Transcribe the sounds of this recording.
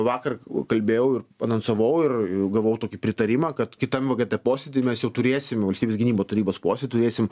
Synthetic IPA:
ʋɑːkɐrkɐlʲbʲeːjɛʊɪrɐnɐnsɐʋɐʊɪrɪɡɐʋɐʊt̪oːkʲipʲɾʲɪt̪ɐɾʲɪmɑːkɐt̪kʲɪt̪ɐmʋɐɡʲɛt̪ɐpoːsʲed̪ʲɪmʲɛsjɛʊt̪ʊɾʲeːsʲɪmʋɐlʲsʲt̪ʲibʲesʲɡʲɪnʲiːboːt̪ɐɾʲiːboːspoːsʲeɛdʲɪt̪ʊɾeːsʲɪm

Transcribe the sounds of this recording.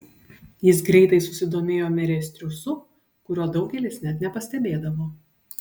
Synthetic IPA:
jɪsɡɾʲɛɪt̪ɐɪsʊsʲɪd̪oːmʲeːjoːmʲɛɾʲɛsʲt̪ʲɾʲʊsʊ | kʊɾʲuɔd̪ɒʊɡʲɛlʲɪsnʲɛt̪nʲɛpɐsʲt̪ʲɛbʲeːd̪ɐʋoː

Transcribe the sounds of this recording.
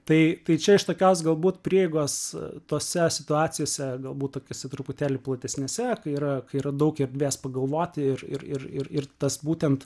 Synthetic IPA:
t̪ɐɪt̪ɐɪt͡ʃʲɛɪʃt̪oːkʲoːsɡɐlˠbuːt̪pʲɾʲiɛjɛɪɡoːst̪oːsʲɛsʲɪt̪ʊɑːt͡s̪ʲɪjoːsʲɛɡɐlˠbuːt̪̚t̪oːkʲoːsʲɛt̪ɾʊpʊt̪ʲæːlʲɪplˠɐt̪ʲɛsʲnʲeːsʲɛkɐɪiːɾɐkɐɪiːɾɐd̪ɐʊkɪrd̪ʲʋʲeːspɐɡɐlˠʋoːt̪ʲɪɪrɪrɪrɪrɪrt̪ɐsbuːt̪ʲɛnt̪

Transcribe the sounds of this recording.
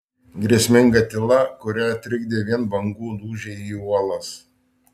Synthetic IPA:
ɡɾʲiɛsʲmʲɪŋɡɐt̪ʲɪlˠɐkʊɾʲæɐt̪ʲɾʲɪɡd̪ʲeːʋʲiɛnbɐŋɡuːnuːʒʲɛiuɔlˠɐs

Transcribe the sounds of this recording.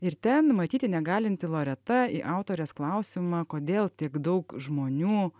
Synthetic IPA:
ɪɾt̪ʲɛnmɐt̪ʲiːt̪ʲɪnʲɛɡɑːlʲɪnʲt̪ʲɪlˠoːɾʲɛt̪ɐiːʔɑˑʊt̪oːɾʲɛsklˠɑʊsʲɪmɑːkoːd̪ʲeːlˠt̪ʲiɛkd̪ɔʊkʒmoːnʲuː

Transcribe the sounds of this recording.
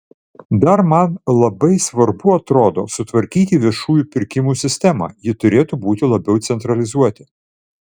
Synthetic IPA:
d̪ɐɾmɐnlˠɐbɐɪsʋɐɾbʊɐt̪ɾoːd̪oːsʊt̪ʋɐɾʲkʲiːt̪ʲiːʋʲiɛʃuːjupʲɪɾʲkʲɪmuːsʲɪsʲt̪ʲɛmɑ̰jɪt̪ʊɾʲeːt̪uːbuːt̪ʲɪlˠɐbʲɛʊt̪sʲɛnt̪ɾɐlʲɪzuɔt̪ʲɪ

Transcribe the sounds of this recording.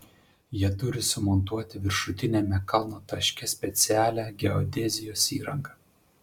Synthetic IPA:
jiɛt̪ʊɾʲɪsʊmɔnt̪uɔt̪ʲɪʋʲɪɾʃʊt̪ʲɪnʲemʲɛkɐlˠnoːt̪ɐʃʲkʲɛsʲpʲɛt̪sʲɪæːlʲæɡʲɛɔd̪ʲɛzʲɪjoːsiːɾɐŋɡɐ

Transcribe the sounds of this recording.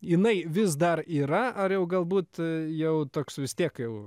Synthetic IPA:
jɪnɐɪʋʲɪs̬d̪ɐriːɾɐɐrjɛʊɡɐlˠbuːt̪jɛʊt̪oːksʋʲɪst̪ʲiɛkjɛʊ

